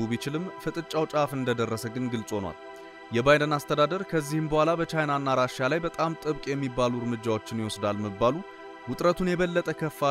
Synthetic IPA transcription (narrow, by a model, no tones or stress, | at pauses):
ubit͡ʃɪlɨmfɨt̪ʼɨt͡ʃʼawt͡ʃʼafɨnd̪əd̪ərːəsəɡɨnɡɨlsʼo̞nwa̰l | jɛbajdənast̪ʰəd̪ad̪əɾkʰəzːihɨmbəhʷalabət͡ʃajnanːaɾaʃalajbət̪ʼamt̪ʼɨβkʼjɛmːibːaluɾmɨd͡ʒːawo̞t͡ʃːɪnjɪwɔsd̪alməbːalu | wʊt̪ʼɾət̪ʰunjɛβəlːət̪ʼəkʰəfːa